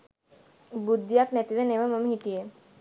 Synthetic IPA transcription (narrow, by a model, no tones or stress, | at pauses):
bud̪ːijaknɛt̪iʋeneʋaməmɦiʈie